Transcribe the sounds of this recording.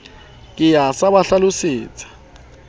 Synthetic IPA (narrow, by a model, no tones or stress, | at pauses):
kʼɪjasabaɬalʊsɪːt͡sʼḁ